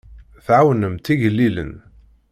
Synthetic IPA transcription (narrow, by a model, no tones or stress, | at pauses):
θʕawnəmt̪iʝəlːilə̰n